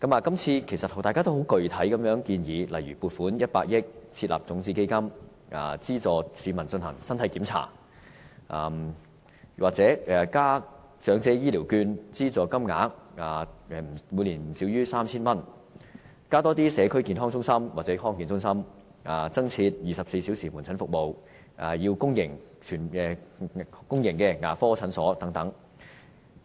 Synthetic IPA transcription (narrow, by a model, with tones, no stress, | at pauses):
kɐ˨˥maː˨˧kɐ˥mt͡sʰiː˧kʰe˨˩jsɐ˨t̚hta˨jkaː˥t̪o˥wɦo˨˥wkɵ˨ɥt̪ʰɐ˨˥jkɐ˨˧mjœː˨˥ŋkiː˧njiː˨˧lɐ˨jyː˨˩puː˨t̚fuː˨˥njɐ˥t̚paː˧k̚jɪ˥k̚t͡sʰiː˧t̚la̰ː˨˩p̚t͡sʊ˨˥ŋt͡siː˧ke˥jkɐ˥m | a̰ː˨t͡siː˥t͡sɔː˨siː˨˧mɐ˨˩nt͡ʃɵ˧nhɐ̰˨˩ŋsɐ˥nt̪ʰɐ˨˧jkiː˨˥mt͡sʰa̰ː˨˩ | ʔaː˨m | waː˨k̚t͡sɛː˨˥ɛ˨kaː˥ | t͡sœː˨˥ŋt͡sɛː˧jiː˥liː˨˩wkyː˧nt͡siː˥t͡sɔː˨˧kɐ˥mŋa̰ː˨˥k̚aː˨ɛ˨˧m̩˨˩mu˨˧liː˨˩m̩˨˩siː˨˥wjyː˥saː˥mt͡sʰiː˥nmɐ˥n | kaː˥t̪ɔː˥t̪̬iː˥sɛː˨˧kʰɵ˥ɥkiː˨nɦɔː˥ŋt͡sʊ˥ŋsɐ˥mwaː˨k̚t͡sɛ˨˧˥hɔː˥ŋki˨˧nt͡sʊ˥ŋsɐ˥m | aː˨˩t͡sɐ˥ŋt͡sʰiː˧t̚jiː˨˩sɐ˨p̚se˧jsi˨˥wsiː˨˩muː˨˩nt͡sʰɐ˨˥nfʊ˨k̚mo˨w | ʔaː˨˩jiː˧wkʊ˥ŋjɪ˨˩ŋ | t͡ʃʰyː˨˩nɛ˨˧ | kʊ˥ŋjɪ˨˩ŋkɛː˧ŋa̰ː˨˩fɔː˥t͡sʰɐ˨˥nsɔː˨˥t̪ɐ˨˥ŋt̪ɐ˨˥ŋ